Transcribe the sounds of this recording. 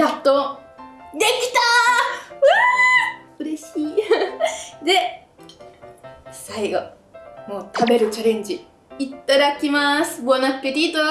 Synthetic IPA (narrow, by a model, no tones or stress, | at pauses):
at̪ːo | d̪e̞kʲi̥t̪a | ɯa | ɯ̟ɾe̞ɕiː | d̪e̞ | saiɡo̞ | mo̞ːt̪ʰabe̞ɾɯ̟t͡ɕaɾẽ̞ɲ̟d͡ʑi | it̪t̪ːaɾakʲimasɨ̥bonakɯ̟̥ped̪ʲit̪o